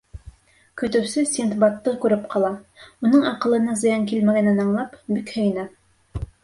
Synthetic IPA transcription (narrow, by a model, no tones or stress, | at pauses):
kɵ̆t̪ɘ̆wsɘsʲint̪bɑt̪ːɤkʉɾɘpqʰɑlˠɑunɤɴɑqɤ̆lˠɤ̆nɤzɤ̆jɑŋkilmæɡænænɑɴlˠɑpbikhɵ̆jɘ̆næ